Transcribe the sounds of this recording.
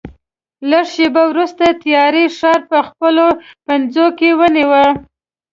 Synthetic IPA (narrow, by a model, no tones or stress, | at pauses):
laʂʃebawɾust̪at̪jɑɾeʂɑɾpəxpəlopanzokewəniwə